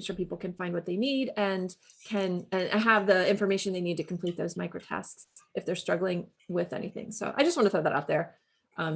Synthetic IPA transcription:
ʃʊ˞pipl̩ˠkʰɨ̃nfãɪ̃nd̚wʌt̪̚ðeɪniɾɨ̃nkʰɨ̃nɨ̃nəvðiɪ̃ɱfə˞meɪʃɨ̃nðeɪnid̚tɨkʰmpʰl̥it̪̚ðoʊzmaɪkɹoʊtʰɛ̰stsʔɨfðə˞stɹ̥ʌɡl̩ˠɪ̃ŋ | wɪðɛ̰nḭθɪ̰̃ŋsoʊʔaɪd͡ʒʌst̚wɑ̃nɨθʰoʊðæɾa̰ʊt̪̚ðə˞ | ʔʌ̃m

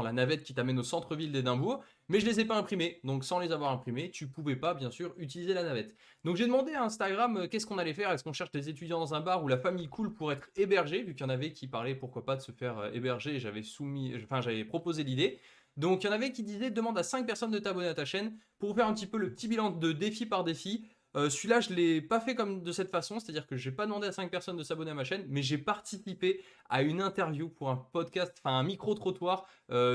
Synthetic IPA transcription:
lanavɛt̪̚kʲi̥t̪amɛnosɑ̃t̪χəvild̪ed̪ɛ̃buʁ | mɛʒəlezɛpaɛ̃pχimed̪ɔ̃ksɑ̃lezavwaʁɛ̃pχimet̪ypuvɛpabjɛ̃syʁyt̪̬ilizelanavɛt̪ | d̪ɔ̃kʒed̪əmɑ̃d̪eaɛ̃st̪aɡʁamøkʲɛskɔ̃nalɛfɛʁɛskɔ̃ʃɛʁʃd̪ezet̪yd̪jɑ̃d̪ɑ̃zɛ̃baʁulafamijkʰulpuʁɛt̪χebɛʁʒevikjɑ̃navɛkʲipaʁlɛpuʁkwapad̪əsəfɛʁø̰ḛbɛʁʒeːʒavɛsumĩfɛ̃ʒavɛpχɔpozelid̪e | d̪ɔ̃kjɑ̃navɛkʲid̪izɛd̪əmɑ̃d̪asɛ̃k̚pɛʁsɔnd̪ət̪abɔneat̪aʃɛnpuʁfɛʁɛ̃pət̪ipøləpət̪ibilɑ̃d̪əd̪efipaʁd̪efi | øsɥilaʒəlɛpafɛkɔmd̪əsɛt̪fasɔ̃se̥t̪ad̪iʁkəʒɛpad̪əmɑ̃d̪easɛ̃k̚pɛʁsɔnd̪əsabɔneamaʃɛnmɛʒepaʁt̪isipe | aynɛ̃t̪ɛʁvjupuʁɛ̃pɔd̪kʲast̪ɑ̥̃fɛ̃ɛ̃mikχot̪χɔt̪waːʁø

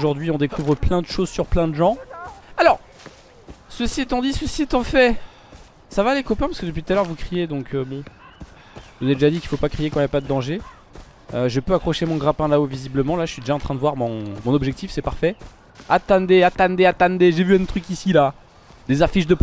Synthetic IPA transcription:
ʒuʁd̪ɥiɔ̃d̪ekuvʁəplɛ̃d̪əʃozsyʁplɛ̃d̪əʒɑ̃alɔʁ | səsiet̪ɑ̃d̪isəsiet̪ɑ̃fɛ | savalekɔpɛ̃paʁskəd̪əp̬ɥit̪t̪alœʁvukχijed̪ɔ̃kʰøbɔ̃ | vuzed̪eʒad̪ikʲilfopakχijekɑ̃iljapad̪əd̪ɑ̃ʒe | øʒəpøakχɔʃemɔ̃ɡʁapɛ̃laovizibləmɑ̃laʒəsɥid̪eʒaɑ̃t̪χɛ̃d̪əvwaʁmɔ̃mɔ̃nɔbʒɛk̚t̪ifsɛpaʁfɛ | at̪ɑ̃d̪eat̪ãnd̪eat̪ãnd̪eʒevyɛ̃t̪χykisila | d̪ezafiʃd̪əp

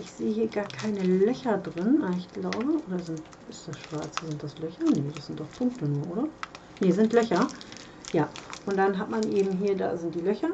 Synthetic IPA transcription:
ʔɪçz̥eːəhiːɐɡaːɐkʰaɪnəlœçɐdʁɪnʔaɪçɡ̥laʊbəʔoːdɐzɪnt | ʔɪstd̥asʃv̥aɐt͡səzɪntd̥aslœçɐnəd̥asz̥ɪnt̚d̥ɔχpʰʊŋk̚tənuːɐʔoːɾɐ | nəzɪntlœçɐ | jaːʔʊntd̥anɦatmanʔeːbm̩ɦiːɐda̰ːzɪntd̥iːlœçɐ

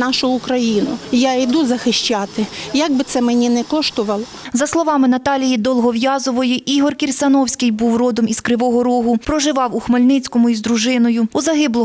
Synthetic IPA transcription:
nɑʃʊʊkɾɐjinʊjaid̪uzɐxɪʃt͡ʃɑt̪ɪjaɡ̚bɪt̪sɛmenʲinɛkɔʃt̪ɔʋɐlˠɔ | zɐslˠɔʋɑmɪnɐt̪ɑlʲijid̪ɔlˠɦɔʋjɑzɔʋɔjiʔiɦɔrkʲirʲsɐnɔwsʲkɪjbuwrɔd̪ɔmizkɾɪʋɔɦɔɾɔɦʊpɾɔʒɪʋɑwuxmɐlʲnɪt͡sʲkɔmʊizd̪ɾuʒɪnɔjʊuzɐɦɪblˠɔ

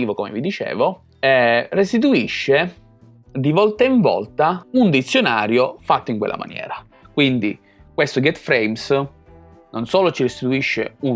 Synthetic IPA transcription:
iːvokomḛvid̪it͡ʃḛːvo | ɛrest̪it̪uiʃːe | d̪ivɔlt̪aiɱvɔ̰lt̪aund̪it̪sːjonaːɾjofat̪ːoiŋkwḛlːa̰ma̰njɛ̰ːɾa | kwind̪ḭ | kwest̪oɡɛt̪fɾejms | nʔonsoːlot͡ʃirest̪it̪uiʃːḛu

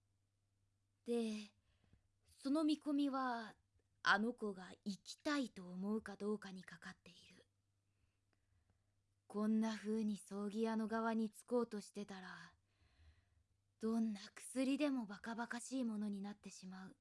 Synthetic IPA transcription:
d̪̥e̞ | so̞no̞mʲiko̞mʲiβa | a̰no̞ko̞ɡaikʲi̥t̪ait̪o̞ːmo̞ɯ̟kad̪o̞ːkaɲ̟ikakat̪ːe̞iɾɯ̟ | kõ̞nːaɸɯ̟ːɲ̟iso̞ːɡʲiano̞ɡaβ̞aɲ̟it͡sɨ̥ko̞ːt̪o̞ɕi̥t̪e̞t̪aɾa | d̪̥õ̞nːakɯ̥sɨɾʲid̪e̞mo̞bakabakaɕiːmo̞no̞ɲ̟inat̪ːe̞ɕimaɯ̟

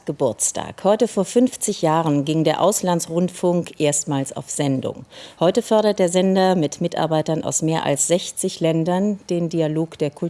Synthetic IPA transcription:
ɡ̥əbʊɐt͡stʰa̰ːkhɔʏtəfoːɐfʏnft͡sɪçjaːʁənɡɪŋdeːɐʔaʊslansʁʊntfʊŋkʔeːɐstmaːlsa̰ʊfz̥ɛndʊ̰ŋhɔʏtəfɔɐɾɐt̚d̥eːɐzɛndɐmɪtmɪtʔa̰ɐbaɪtɐnʔa̰ʊsmeːɐʔa̰lsz̥ɛçt͡sɪçlɛndɐnd̥eːndialoːkd̥eːɐkʰʊ

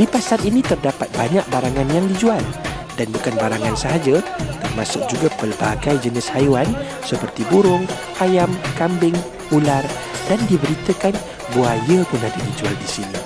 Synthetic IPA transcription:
d̥ipasat̪inĩt̪ərdapat̪̚baɲaʔ̚baɾaŋãnjaŋdid͡ʒual | danbukanbaɾaŋansəɦad͡ʒat̪ərmasʊk̚d͡ʒuɡapəlbaɡajd͡ʒənɪshajuan | səpərt̪ibuɾʊŋ | ʔajamkambɪŋ | ular | dandibəɾit̪əkan | buajəkunadidid͡ʒua̰ldisini

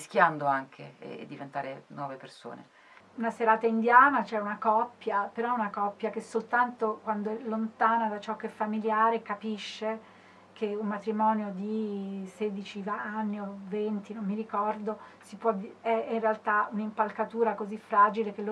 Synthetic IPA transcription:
skjand̪oaŋkʰḛḛːd̪ːivent̪aːɾenwɔːveperso̰ːnḛ | unaseɾaːt̪aind̪jaːnat͡ʃɛunakɔpːjapeɾɔɛunakɔpːjak̟esːolt̪ant̪okwand̪oɛlːont̪aːnad̪at͡ʃɔkːeɛfːamiljaːɾekapiʃːe | kʰeummat̪ɾimɔːnjod̪iseːd̪it͡ʃivaanːiovent̪inomːiɾikɔrd̪osipwɔdiɛinrealt̪aunimpalkat̪uːɾakozifːɾaːd͡ʒilek̟elo

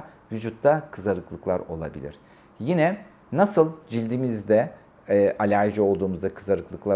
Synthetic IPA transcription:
vyd͡ʒut̪ːakʰɯzaɾɯklˠɯklˠaɾo̞lˠa̰bḭlʲḭɾ̥ | jinɛ | nasɯlˠd͡ʒilʲd̪imizd̪ɛ | ʔalʲaʒo̞lˠd̪uːmuzd̪akʰɯzaɾɯklˠɯklˠa

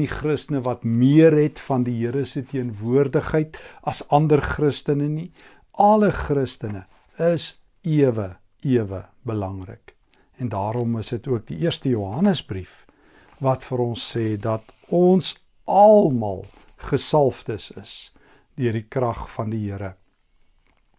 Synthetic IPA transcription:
niχrəstənəvɐtmiəɾɦɛtfɐndiɦiəɾəsətiənvuərdəχɦəjtɐsɐndərχrəstənəni | ɐləχrəstənə | əs | iəvə | iəvə | bəlɐŋrə̰k | ɛndɑːɾɔməsdətuək̚diʔiərstəjuɦɐnəzbrif | vɐtfəɾɔnsːɛːdɐt | ɔns | ʔɐlˠmɑ̰lˠ | χəsɐlˠftəsəs | døərdikrɐχfɐndiɦiəɾə

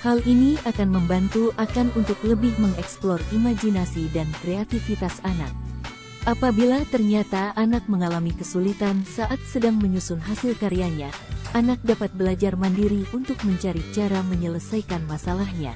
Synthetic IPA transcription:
haliniakanməmbant̪uʔakanunt̪ʊkləbɪhməŋɛksplɔrimad͡ʒinasidankɾeat̪ifit̪asanak̚ | ʔapabilat̪ərɲat̪aanak̚məŋalamikəsulit̪ansaʔat̪̚sədaŋməɲusʊnɦasilkaɾiaɲaʔanak̚dapat̪̚bəlad͡ʒarmandiɾiʔunt̪ʊk̚məɲt͡ʃaɾit͡ʃaɾaməɲələsajkanmasalahɲa̰

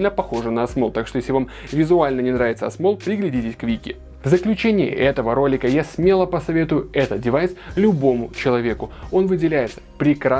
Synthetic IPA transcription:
lʲnəpɐxo̞ʐɨnəɐsmo̞lˠt̪akʂt̪ojesʲlʲɪvam | vʲɪzʊalʲnənʲɪnɾaɪt̪səɐsmo̞lˠpɾʲɪɡlʲɪdʲitʲɪsʲkvʲikʲɪ | vzəklʲʉt͡ɕenʲɪɪ̰ʔɛt̪əvəɾo̞lʲɪkəjasʲmʲe̞lˠəpəsɐvʲe̞t̪ʊjʊɛt̪ət̪̚dʲɪvajslʲʊbo̞mʊt͡ɕɪlˠɐvʲe̞kʊo̞nvɨdʲɪlʲæjɪt̪sə̥pɾʲɪkɾa

